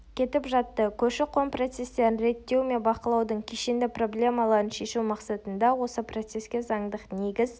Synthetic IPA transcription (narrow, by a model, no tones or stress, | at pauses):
kʲʰe̞t̪ɪpʒɑt̪ːəkʲʰɵʃɪqʰo̞mpro̞t̪se̞st̪e̞ɾɪnɾe̞t̪ːe̞wme̞nbɑqəlˠɑwd̪əɴkʲʰeʃend̪ɪpro̞blʲe̞mɑlˠɑɾənʃe̞ʃumɑqsɑt̪ənd̪ɑwo̞səpro̞t̪se̞skʲe̞zɑɴd̪əqne̞ɡʲɪz